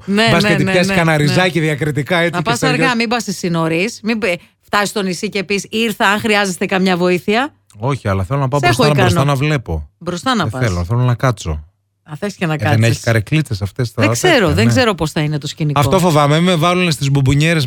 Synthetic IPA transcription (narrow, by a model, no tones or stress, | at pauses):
nebɐset̪iɐskɐnɐɾizɐceðjɐkɾit̪ikɐet͡snɐipɐsɐɾɣɐmibɐst̪isinoɾismib | ft̪ɐsist̪o̞nisicepisiɾθɐɐŋxɾiɐzest̪e̞kɐmɲɐvo̞iθiɐ | o̞çiɐlɐθelonɐpɐoɾesxoɐnɐkɐɾosntt̪ɐnɐvle̞po̞̰bɾo̞st̪ɐnɐpɐeloθelonɐkɐt͡so̞̰ | ɐθesi̥cenɐkɐðeneçi̥kɐɾeklit͡sesɐft̪e̞sɐðeɡze̞ɾo̞ðeŋɡze̞ɾo̞po̞sθɐinet̪o̞scinikɐfot̪ofo̞vɐmemimevɐlunest̪izbubuɲeɾes